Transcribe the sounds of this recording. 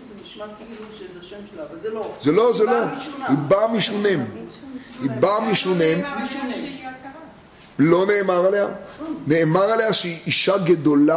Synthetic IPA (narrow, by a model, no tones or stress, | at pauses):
zelo̞zelo̞hibamiʃunem | hibamiʃunem | lo̞neːmaʁaleja̰neːmaʁalejaʃeiʔiʃaɡed̪ola